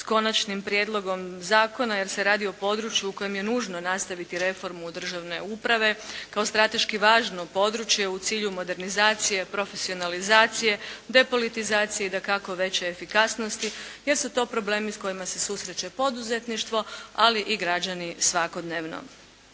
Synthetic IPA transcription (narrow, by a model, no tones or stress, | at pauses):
sko̞nat͡ʃnimpɾijed̪lˠo̞ɡo̞mzaːko̞naje̞ɾse̞ɾaːd̪io̞po̞d̪ɾut͡ʃjuuko̞je̞mje̞nuːʒno̞nast̪aʋit̪iɾe̞fo̞ɾmud̪r̩ʒaʋne̞̰upɾaʋe̞kaost̪ɾat̪e̞ʃkiʋaːʒnopo̞d̪ɾut͡ɕje̞ut̪siːʎumo̞d̪e̞ɾnizaːt̪sije̞pɾo̞fe̞sio̞nalizaːt̪sije̞d̪e̞po̞lit̪izaːt̪sijeid̪akako̞ʋe̞t͡ɕeːfikasno̞st̪ije̞ɾsut̪o̞ːpɾo̞ble̞ːmisko̞jimase̞suːsɾe̞t͡ɕe̞po̞d̪uze̞t̪niʃt̪ʋo̞aliʔiɡɾad͡ʒanisʋako̞d̪neːʋno̰